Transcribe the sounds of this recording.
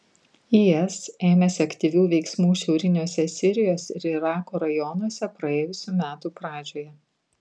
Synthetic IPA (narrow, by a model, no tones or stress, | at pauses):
iɛseːmʲɛsʲɪɐkʲt̪ʲiʋʲuːʋʲɛɪksmuːʃʲɛʊɾʲɪnʲuɔsʲɛsʲɪɾʲɪjoːsɪɾɪɾɑːkoːɾɐjɔnɔsʲɛpɾɐeːjʊsʲuːmʲæːt̪uːpɾɑːd͡ʒʲoːjɛ